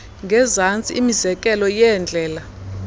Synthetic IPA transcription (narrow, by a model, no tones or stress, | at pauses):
ŋɡʱɛzant͡sʼḭʔimizɛkʼɛlɔjɛnd͡ɮʱɛːla